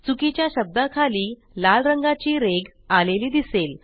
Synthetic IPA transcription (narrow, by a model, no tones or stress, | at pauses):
t͡sukit͡ɕjaɕəb̚d̪akʰaliː | lalɾəŋɡat͡ɕiːɾeɡ | aleliːd̪isel